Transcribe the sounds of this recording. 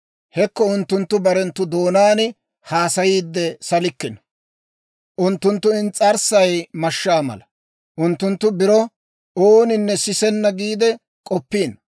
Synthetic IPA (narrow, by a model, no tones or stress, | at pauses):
hɛkːɔʊnt̪ːʊnt̪ːʊbɐɾɛnt̪ːʊd̪o̞ːnaːnɪ | haːsɐjiːd̪ːɛsɐlɪkːɪn | ʔʊnt̪ːʊnt̪ːʊɪnt͡sʼːɐɾsɐjmɐʃːaːmɐ̰lɐ | ʔʊnt̪ːʊnt̪ːʊbɪɾɔ | oːnɪnːɛsɪsɛnːɐɡiːd̪ɛ | kʼɔpːiːn